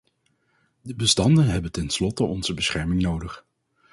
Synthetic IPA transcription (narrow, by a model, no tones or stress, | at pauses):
dəbəstɑndənɦɛbəntɛnslɔtəɔnz̥əbəsχɛɹmɪŋnowdəχ